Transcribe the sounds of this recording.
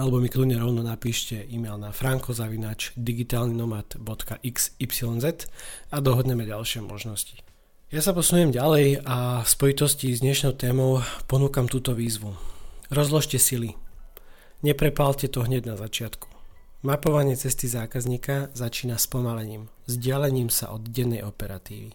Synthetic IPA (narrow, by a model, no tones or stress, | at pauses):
alɛbɔmikluɲɛɾɔʊnɔnapiːʃcɛiːmɛlnafɾaŋkɔzaʋinaːt͡ʃd̪iɡit̪aːlninɔmat̪bɔt̪kaʔiksipsilɔnzɛt̪ad̪ɔɦɔd̪ɲɛmɛɟalʃɪɛmʔɔ̰ʒnɔsci̥ | jasapɔsunʊjɛmɟalɛjafspɔjit̪ɔscizd̪ɲɛʃnɔʊt̪ɛːmɔʊpɔnuːkamt̪uːt̪ɔʋiːzʋuɾɔzlɔʃcɛsili | ɲɛpɾɛpalcɛt̪ɔɦɲɛɟnazat͡ʃɪat̪ku̥ | mapɔʋaɲɪɛt͡sɛst̪izaːkazɲiːkazat͡ʃiːnaspɔmalɛɲiːm | zɟɪalɛɲiːmsa̰ʔɔd̪ɟɛnːɛjɔpɛɾat̪ḭːʋi